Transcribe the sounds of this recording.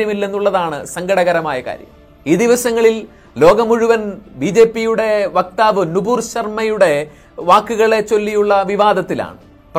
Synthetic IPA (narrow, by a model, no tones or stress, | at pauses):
jɐmilːe̞nːuɭːɐðaːɳɨ̰sɐŋɡɐɽɐɣɐɾɐmaːjɐka̰ːɾjɐ̰m | iːd̪iʋɐsɐŋːɐɭil | lo̞ːɡɐmuɻuʋɐnbid͡ʑe̞ːpːijuɽe̞ʋɐk̚t̪aːʋɨnubuːrɕɐrmɐjuɽe̞ | ʋaːkːuɣɐɭe̞t͡ɕːo̞lːijuɭːɐʋiʋaːd̪ɐt̪ːila̰ːɳɨ | p